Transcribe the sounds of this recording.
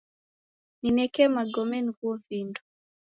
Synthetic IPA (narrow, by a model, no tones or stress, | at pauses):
ninɛkɛmaɡɔmɛnikuɔvindu